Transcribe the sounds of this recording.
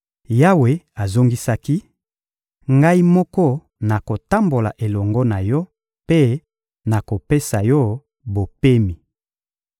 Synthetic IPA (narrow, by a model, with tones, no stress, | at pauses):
ja˦we˨a˨zo˦ŋɡi˦sa˦ki˦ | ŋɡa˦i˦mɔ˦kɔ˦ | na˨ko˨ta˦mbo˨la̰˨ʔe˨lɔ˨ŋɡɔ˦na˨jɔ˦ | pe˦ | na˨ko˨pe˦sa˨jɔ˦ | bo˨pe˦mi˨